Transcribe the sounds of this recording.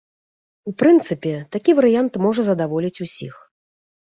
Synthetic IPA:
upɾɨnt̪sɨpʲɛt̪akʲivɐɾɨjant̪mɔʐɐzɐd̪avɔlʲit͡sʲusʲḭx

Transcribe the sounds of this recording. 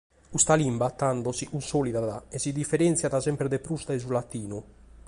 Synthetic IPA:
ust̪alimbat̪ːand̪ɔziʔunsoːliðaðaɛsid̪ifːɛɾɛnt̪sjaðasɛmpɾɛðɛpɾust̪aɛzulat̪ːiːnu

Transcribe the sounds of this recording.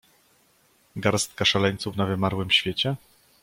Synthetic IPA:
ɡaɾst̪kaʂalɛɲt̪suvnavɘmaɾwɘmɕfʲjet͡ɕɛ

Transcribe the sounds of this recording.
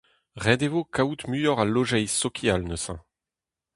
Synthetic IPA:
ʁɛd̪evokʰaut̪myjɔʁaloʒɛjsɔkʰjalnəsɛ̰̃

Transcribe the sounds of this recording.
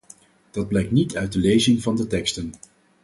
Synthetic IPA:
d̥ɑd̚blɛjk̚tnitœɥt̚dəlejzɪŋvɑndətɛkstən

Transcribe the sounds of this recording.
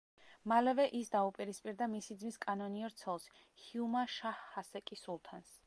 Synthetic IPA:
malɛvɛʔisd̪aupʼiɾispʼiɾd̪amisid̪zmiskʼanɔniɔɾt̪sʰɛlˠs | hiumaʃahːasɛkʼisulˠt̪ʰans

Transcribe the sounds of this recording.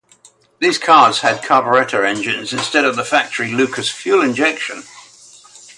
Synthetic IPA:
ðiːz̥kʰɑːdz̥əd̚kʰɑːbəɹɛtʰəɛ̃nd͡ʒɪ̃nzɪ̃nstɛɾəvðəfak̚tʰəɹilʉˑkʰəsfjʉːlɪ̃nd͡ʒɛkʃə̃n

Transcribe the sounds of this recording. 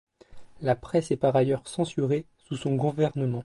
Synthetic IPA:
lapχɛsɛpaʁajœʁsɑ̃syʁe | susɔ̃ɡuvɛʁnəmɑ̃

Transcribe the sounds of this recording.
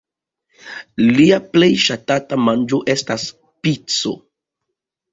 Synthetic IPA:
liaple̞jʃatatamand͡ʒo̞ʔe̞stas | pit͡so̞̰

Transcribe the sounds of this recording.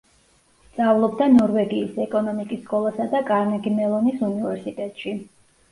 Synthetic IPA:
d̪z̥avlˠɔbd̪anɔɾvɛɡiːsɛkʼɔnɔmikʼisːkʼɔlˠasad̪akʼaɾnɛɡimɛlˠɔnisunivɛɾsit̪ʼɛt̪ʼʃi

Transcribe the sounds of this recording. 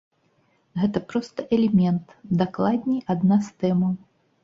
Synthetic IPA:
ɣɛt̪ɐpɾɔst̪ɐʔɛlʲɛmʲɛnt̪d̪aklˠad̪ʲnʲiʔad̪nast̪ɛmɐw

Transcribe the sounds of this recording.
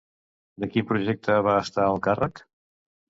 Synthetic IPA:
d̪əkimpɾuʒɛk̚t̪əβaəst̪aəlˠkarək

